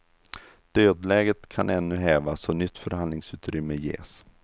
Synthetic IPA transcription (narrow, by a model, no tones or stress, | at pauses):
d̪̥øːd̪lɛːɡət̪kʰanʔɛnːɵɦɛːvasɔnʏt̪ːfœɾhand̪lɪŋsʉ̟ːt̪ɾʏmːəjḛːs